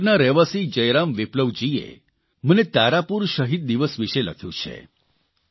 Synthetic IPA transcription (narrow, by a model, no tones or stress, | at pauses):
naɾɛʋasid͡ʒəjɾamʋɪpləʋd͡ʒiḛ | mənet̪aɾapuɾʃəɦid̪̚d̪iʋəsʋiʃelə̰kʰjṵ̃t͡ʃʰḛ